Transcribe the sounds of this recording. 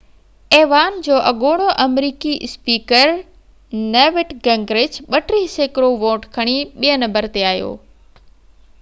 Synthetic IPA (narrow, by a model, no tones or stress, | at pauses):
eːʋaːnd͡ʑoːʔɐɠoːɽ̃oʔɐmɾiːkispiːkəɾ | neːʋɪʈɡɛ̃ŋɡɾɪt͡ɕɓɐʈɾiɦɪseːkɾoʋõːʈkʰɐɽ̃iɓiənɐmbəɾt̪eaːjo̰ː